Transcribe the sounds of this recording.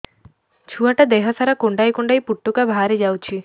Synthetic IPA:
t͡ʃʰuaʈad̪eɦɔsaɾakuɳɖajkuɳɖajpuʈːukabʱaɾed͡ʒawt͡ʃʰi

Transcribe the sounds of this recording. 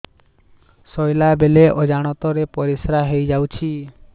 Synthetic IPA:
sɔjlabeleʔɔd͡ʒaɽ̃ɔt̪ɔɾepɔɾisɾaɦejd͡ʒawt͡ʃʰi

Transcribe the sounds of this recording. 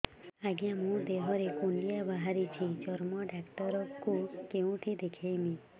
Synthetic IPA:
aɡjamũd̪eɦɔɾekuɳɖijabaɦaɾit͡ʃʰid͡ʒɔɾmɔɖakʈɔɾɔkukeũʈʰid̪ekʰejmĩ

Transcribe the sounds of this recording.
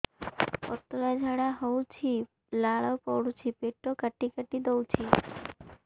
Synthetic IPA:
pɔ̰t̪əlad͡ʒʱaɽaɦɔwt͡ʃʰi | laɭɔwpɔwɽut͡ʃʰipeʈːokəʈikəʈid̪ɔwt͡ʃʰi

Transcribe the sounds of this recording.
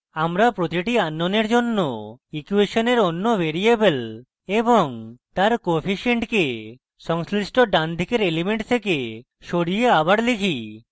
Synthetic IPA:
amɾapɾot̪iʈianːoneɾd͡ʑonːoikueʃoneɾonːobeɾiebel | eboŋt̪aɾkopʰiʃeɳʈke | sɔŋslisʈoɖand̪ʱikeɾelimeɳʈt̪ʰeke | ʃoɽijeabaɽlikʰi

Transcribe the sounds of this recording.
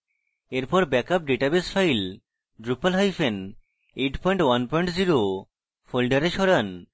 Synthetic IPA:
eɾpɔɾbɛkap̚ɖeʈabesfʰajl | ɖɾupːalɦajfen | eʈpɔjɳʈwanpɔjɳʈziɾo | folɖaɾeʃɔɽan

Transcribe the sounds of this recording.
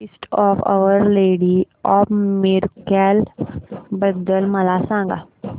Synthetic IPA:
isʈɔːfa̰ʋəɾleːɽi | ɔːbmɪɾkɛl | bəd̪əlmɐlaːsãːŋɡa̰

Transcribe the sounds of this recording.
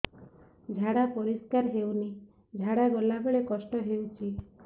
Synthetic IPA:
d͡ʒʱaɽapɔɾiskaɾɦewni | d͡ʒʱaɽaɡolabeɭekɔsʈɔɦewt͡ʃʰi

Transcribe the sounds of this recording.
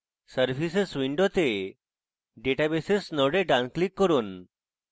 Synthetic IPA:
səɾfisesʋiɳɖot̪e | ɖeʈabesesnəɽeɖãnklikːəɾuːn

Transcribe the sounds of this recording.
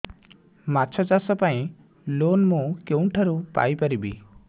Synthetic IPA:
mat͡ʃʰɔt͡ʃasɔpaĩ | lonmukewɳʈʰaɾupa̰jpaɾibi

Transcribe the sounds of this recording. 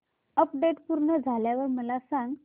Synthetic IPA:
əpɖeʈpuɾɳəd͡zʱaljaʋəɾməlasãŋɡ

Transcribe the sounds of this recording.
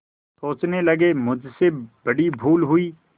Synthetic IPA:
soːt͡ʃnelɐɡemʊd͡ʒʱsebɐɽibʱuːlɦʊiː

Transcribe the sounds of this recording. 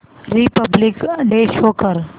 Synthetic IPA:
ɾipəblɪkɖeʃoːkəɾ

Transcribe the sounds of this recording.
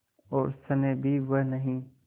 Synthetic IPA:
ɔːɾsənebʱiʋənəɦĩː

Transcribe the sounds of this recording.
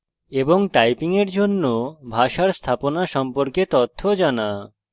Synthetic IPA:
eboŋʈajpiŋeɾd͡ʑonːobʱaʃaɾst̪ʰaponaʃɔmpoɾket̪ot̪ʰːod͡ʑana

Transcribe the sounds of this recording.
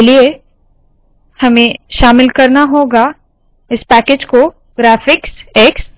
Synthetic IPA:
lie | hɐmẽʃaːmɪlkɐɾnaɦoːɡa | ɪspɛːkeːd͡ʒko | ɡɾɛːfɪkseks

